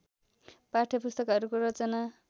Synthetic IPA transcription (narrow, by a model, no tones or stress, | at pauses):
paʈʰʌpust̪ʌkɦʌɾukoɾʌt͡sʌna